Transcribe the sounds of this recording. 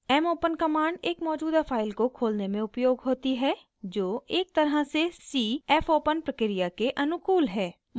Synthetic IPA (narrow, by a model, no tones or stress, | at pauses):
ɛːmoːpənkɐmaːɳɖeːkmɔːd͡ʒuːd̪afʰaːɪlkokʰoːlnemẽʊpjoːɡɦoːt̪iɦɛ | d͡ʒoːeːk̚t̪ɐɾɦasesiːɛːfoːpənpɾəkɾijakeʔɐnʊkuːlɦɛː